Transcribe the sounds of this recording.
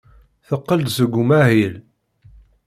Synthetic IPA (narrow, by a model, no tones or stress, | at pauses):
θəqːəld̪zəɡʷumæhil